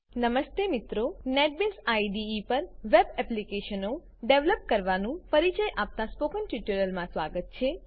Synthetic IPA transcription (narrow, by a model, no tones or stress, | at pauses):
nəməst̪emit̪ɾoneʈ̚besaiɖiːpəɾʋebɛplikeʃəno | ɖeʋləp̚kəɾʋanũfəɾit͡ʃəjʔap̚t̪aspokənʈiʈəɾəlmãsʋaɡət̪̚t͡ʃʰe